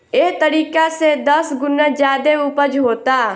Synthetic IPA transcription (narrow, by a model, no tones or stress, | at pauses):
et̪əɾiːkased̪əsɡʊned͡ʒjaːd̪eʊpəd͡ʒɦoːt̪aː